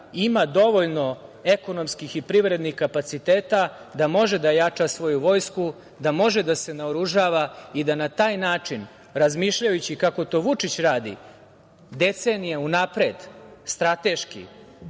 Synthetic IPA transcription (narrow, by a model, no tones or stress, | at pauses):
imad̪o̞ʋo̞ʎno̞e̞ko̞no̞mskixipɾiʋɾe̞d̪nixkapat̪sit̪e̞ːt̪a | d̪amo̞ʒed̪ajat͡ʂasʋo̞juʋo̞ːjsku | d̪amo̞ʒed̪ase̞naoɾuʒaːʋaid̪anat̪aːjnaːt͡ʂin | ɾazmiːʃʎajut͡ɕikako̞t̪o̞ʋut͡ʂit͡ɕɾaːd̪ḭ | d̪e̞t̪se̞ːnijeunapɾe̞d̪st̪ɾat̪e̞ʃkḭ